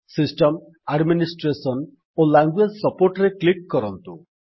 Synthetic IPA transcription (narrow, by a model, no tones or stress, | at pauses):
sisʈɔm | aɖminisʈɾesɔn | olaŋɡued͡ʒsɔpoɾʈɾeklikːɔɾɔnt̪ṵ